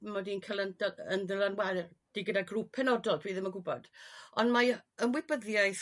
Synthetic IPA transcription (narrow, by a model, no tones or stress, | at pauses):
mɔdinkʰəlˠəndəəndəlˠanwɛɾrd̥iɡədaɡruːpʰɛnɔdɔlˠdʰwiːðɪmaɡʊbɔ̰d̥ɔnmaəmwɪbəðjajθ